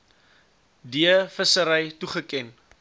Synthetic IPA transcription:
diəfəsəɾəjtuχəkɛn

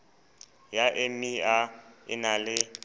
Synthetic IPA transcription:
jaʔɪmiaɪ̰nalɪ

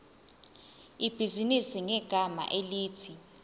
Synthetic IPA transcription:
ib̥ʱizinisiŋɛɡ̥ʱama̰ʔeliːtʰi

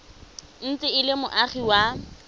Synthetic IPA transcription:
n̩t͡sɪɪlɪmʊʔaχiwa

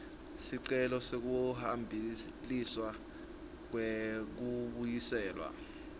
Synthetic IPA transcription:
siǀɛlɔsek̬uhambʱi | liswa | k̬wek̬uɓujisɛːlwa̰

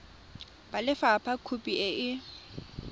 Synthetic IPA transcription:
balɪfapʰakʰupʼiɛʔɪ

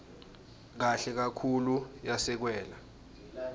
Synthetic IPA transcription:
k̬aɬɛk̬akʰulujasɛk̬wɛːla

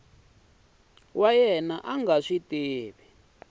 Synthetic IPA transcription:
wajɛnaʔaŋɡaʂiteːβɛ

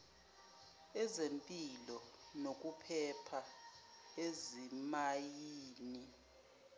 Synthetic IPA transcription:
ɛzempʼilɔnok̬ʼupʰɛpʰa | ezimajiːni

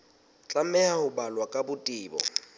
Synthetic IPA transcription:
t͡ɬʼamɛahʊbalwakʼabʊtʼiːbɔ̰

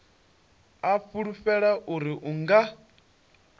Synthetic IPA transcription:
afuɺufɛɺaʔuɾiʔuŋɡa

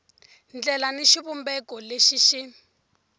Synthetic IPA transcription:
nd͡ɮɛlaniʃiβumbɛkɔleʃiʃi

